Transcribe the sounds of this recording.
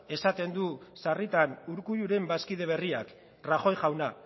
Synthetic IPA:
e̞sat̪e̞nd̪usarit̪anuɾkuʎuɾe̞mbaskið̞e̞β̞e̞riak | raxo̞jʝawna

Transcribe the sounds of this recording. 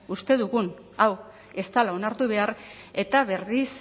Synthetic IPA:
ust̪e̞ðuɣun | aw | e̞st̪alao̞naɾt̪uβe̞aɾ | e̞t̪aβe̞ris

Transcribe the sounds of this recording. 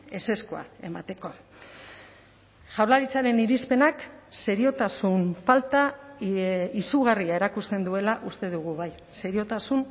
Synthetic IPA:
e̞se̞skoa̰e̞mat̪e̞ko̞ | ʝawlaɾit͡saɾe̞niɾispe̞nakse̞ɾio̞t̪asumfalt̪a | isuɣ̞ariaeɾakust̪e̞nd̪ue̞laʔust̪e̞ðuɣ̞uβaj | se̞ɾio̞t̪asun

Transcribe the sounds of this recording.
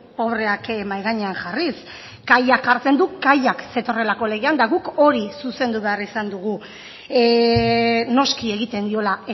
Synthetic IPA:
o̞βɾe̞akmajɣaɲeanʝaris | ɡ̥ajakaɾt͡se̞nd̪ukajakse̞t̪o̞re̞lako̞le̞ɣiand̪aɣuko̞ɾisuse̞nd̪uβe̞arisand̪uɣ̞u | no̞skie̞ɣit̪e̞nd̪io̞lae

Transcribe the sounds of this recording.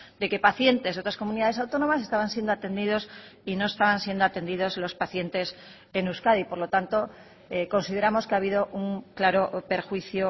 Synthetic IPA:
d̪e̞ke̞paθje̞nt̪e̞zeo̞t̪ɾasko̞muniðaðes̬awt̪o̞nomasest̪aβansje̞nd̪oat̪e̞nd̪iðo̞sino̞est̪aβ̞ansje̞nd̪oat̪e̞nd̪iðo̞zlo̞spaθje̞nt̪e̞s | e̞nuskaðipo̞ɾlo̞t̪ant̪o̞ | eko̞nsiðe̞ɾamo̞skeaβ̞iðo̞ʔuŋklaɾo̞pe̞ɾxwiθjo

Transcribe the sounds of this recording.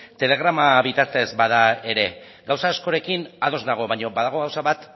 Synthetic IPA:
t̪e̞le̞ɣ̞ɾamaβit̪aɾt̪e̞zbaðae̞ɾe̞ | ɡawsaːsko̞ɾe̞kinað̞o̞znaɣ̞o̞βaɲo̞baðaɣ̞o̞ɣawsaβat̪

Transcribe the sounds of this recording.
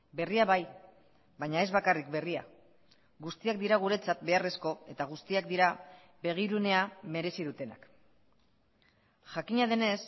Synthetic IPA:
be̞riaβaj | βaɲae̞zβakarikbe̞ria̰ | ɡust̪iak̚d̪iɾaɣ̞uɾe̞t͡sat̪̚be̞are̞sko̞e̞t̪aɣ̞ust̪iakd̪iɾa | βe̞ɣ̞iɾune̞ame̞ɾe̞sið̞ut̪e̞na̰k | ʝakiɲað̞e̞ne̞s

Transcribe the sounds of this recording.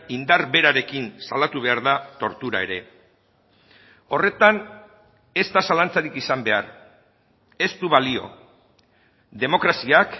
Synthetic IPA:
ind̪aɾβe̞ɾaɾe̞kinsalat̪uβ̞e̞aɾðat̪o̞ɾt̪uɾa̰e̞ɾe̞ | o̞re̞t̪an | e̞st̪asalant͡saɾikisambe̞a̰ɾ | e̞st̪uβalio̞̰ | d̪e̞mo̞kɾasiak

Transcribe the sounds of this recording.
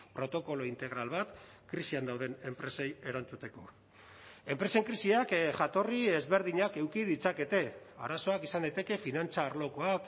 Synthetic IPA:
pɾo̞t̪o̞ko̞lo̞int̪e̞ɣ̞ɾalβat̪kɾisiand̪awðe̞ne̞mpɾe̞se̞je̞ɾant͡sut̪e̞ko̞ | e̞mpɾe̞se̞ŋkɾisiakʝat̪o̞rie̞zβe̞ɾðiɲake̞wkið̞it͡sake̞t̪e̞a̰ɾaso̞akisand̪ajt̪e̞ke̞finant͡saːɾlo̞ko̞ak

